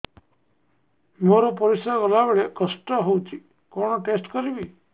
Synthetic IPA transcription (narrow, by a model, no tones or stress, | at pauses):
moɾopɔɾisəkəlaʋeɭekəsʈɔɦowt͡ʃʰi | koɽ̃ɔʈesʈkəɾibi